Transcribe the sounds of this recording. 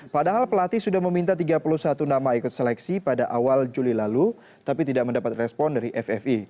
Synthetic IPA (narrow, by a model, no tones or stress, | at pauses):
padaɦalpəlat̪isudahməmint̪at̪iɡapuluhsat̪unamaikʊt̪sɛlɛksipadaʔawald͡ʒulilalu | t̪apit̪idaʔ̚məndapat̪rɛspɔndaɾiʔɛfɛfi